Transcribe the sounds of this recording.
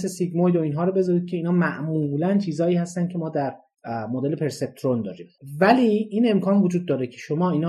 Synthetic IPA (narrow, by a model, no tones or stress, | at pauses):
sesiɡmojoiːnɦɒːɾobe̞zɒːɾiːd̪̚cʰe̞iːnɒːmæʔmulænt͡ʃʰiːzɒːiːhæst̪æn̚cʰe̞mɒːd̪æɾ | mod̪e̞lepʰe̞ɾse̞p̚t̪ʰɾond̪ɒ̰ːɾiːmvæliːiːne̞mkʰɒːnvod͡ʒuːd̪̚ːɒːɾecʰe̞ʃomɒːinː